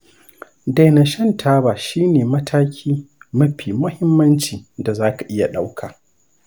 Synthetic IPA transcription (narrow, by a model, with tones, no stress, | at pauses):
da˨na˨ʃɐ˦ntʰaː˦baː˨ʃiː˦neː˨mɐ˦tʰaː˦kʲʰiː˦mɐ˦ɸiː˨mʊ˦hɪ˦mːɐ˦nt͡ʃiː˨da˨zaː˦ka˨ʔɪ˦ja˨ɗa˦wkʰaː˨